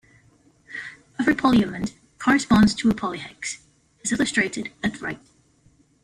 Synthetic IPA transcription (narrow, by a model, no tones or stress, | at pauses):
ʌvɹɨpʰɔlˠjɨmɨ̃n | kʰɔɹɨspɑ̃ndz̥tʰəːpʰɑlˠihɛks | ɨzɪlˠəstɹ̥eɪɾɨɾɨtɹaɪt̚